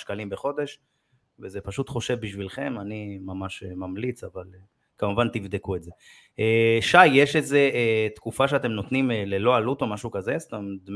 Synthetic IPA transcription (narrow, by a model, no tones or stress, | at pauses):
ʃkalimbeχo̞d̪e̞ʃ | vezepaʃut̪χo̞ʃevbiʃvilχe̞manimamaʃemamlit͡saval | kamuvant̪ivd̪ekuetze̞ | eʃajje̞ʃeze̞et̪kufaʃeat̪e̞mno̞t̪nimele̞lo̞alut̪o̞maʃukazest̪amd̪m